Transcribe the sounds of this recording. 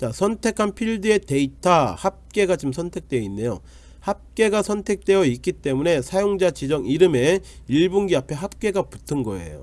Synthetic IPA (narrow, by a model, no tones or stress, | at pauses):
t͡ɕasʰʌntʰe̞kʰanpʰiɭdɯe̞te̞itʰahap̚k͈e̞ɡad͡ʑɯmsʰʌntʰe̞k̚t͈we̞inːe̞jo̰ | hap̚k͈e̞ɡasʰʌntʰe̞k̚t͈e̞jʌik͈it͈e̞mune̞sʰajoŋd͡ʑat͡ɕid͡ʑʌŋiɾɯme̞iɭbuŋɡiapʰe̞ɦap̚k͈e̞ɡaputʰɯnɡʌ̰e̞̰jo̰